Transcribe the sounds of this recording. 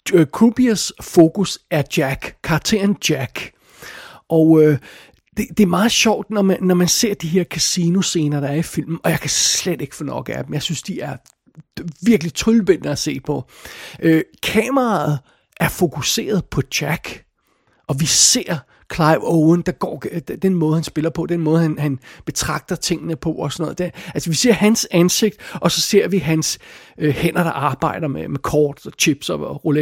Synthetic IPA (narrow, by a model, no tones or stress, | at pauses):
kʰub̥iæsfo̝kusæɐd̥jæɡ̥kʰːɑ̈ːɡ̥t͡sʰe̝ɐnd̥jæɡ̥ | ʔɒʊø | d̥e̝d̥e̝æɐmɑ̈ːð̩ˠɕɒʊ̰d̥nɒmæːɒmænse̝ɐ̰d̥iɦe̝ɐkʰæsino̝se̝ːnɐd̥ɑ̈æɐifil̰mn̩ɒ̽jɑ̈ɪkʰæsled̥e̝ɡ̥ə̥fɔnɒ̽ɡ̥əæd̥em̩jɑ̈ɪsynsd̥iæɐ | ʋiɐɡ̥əlit͡sʰolb̥en̰ːəæse̝̰ːpʰɒ̽ʔøkʰɛːmɐʁɑ̈ːð̩ˠ | ʔæɐfo̝kʰuse̝̰ːɐð̞̩ˠpʰɒ̽d̥æɡ̥ | ʔɒ̽ʋise̝ɐ̰ | kʰlɑ̈ɪboʊənd̥ɑ̈ɡ̥ɒ̰̥ːd̥enmɔ̽ːðˠhænsb̥e̝lɐpʰɒ̽d̥enmɔːð̞̩ˠhænhænb̥e̝t͡sʰʁɑ̈ɡ̥̚d̥ɐt͡sʰe̝ŋ̰ənəpʰɒ̽ʔɒsɒ̽nɔ̽ːð̩ˠd̥eælsɐʋise̝ɐ̰hænsænse̝ɡ̥̚d̥əɒ̽sɒ̽se̝ɐ̰ʋiɦænsøhen̰ɐɾ̥ɑ̈ʔɑ̈ːb̥ɑ̈ɪ̰ɾ̥ɐmemekʰɒːd̥sɒt͡ɕʰib̥sɒʁole